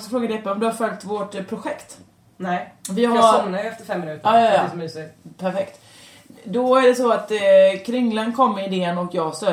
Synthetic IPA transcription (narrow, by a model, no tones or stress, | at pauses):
ksɔfɾoːɡad̪ɛɛpːəɔmd̪ɵhaɾfœlkt̪voʈpʰɾʊɧɛkt̪ | nɛvɪasɔmnajɛft̪əɾfɛmːɪnʉːt̪əɾːɪsɔmiːsɪpʰæɾfɛkt̪ | d̪ɔæɖɛsɔat̪kʰɾɪŋːlankʰɔmːɪɪd̪eːənɔkjɑːɡst̪œ